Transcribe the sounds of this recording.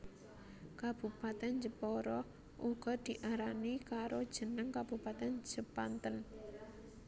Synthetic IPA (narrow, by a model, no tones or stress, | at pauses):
kab̥upat̪ɛnd͡ʒəpɔɾɔ | ʔuɡ̥ɔ̤d̪̥i̤ʔaɾanikaɾod̥ʒ̥ə̤nəŋkab̥upat̪ɛnd͡ʒ̥əpant̪ən